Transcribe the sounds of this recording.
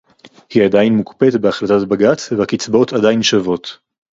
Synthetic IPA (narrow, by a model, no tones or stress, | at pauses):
hiadajnmukpetbeaχlatatbaɡat͡svebakit͡sbo̞tʰadajinʃavo̞t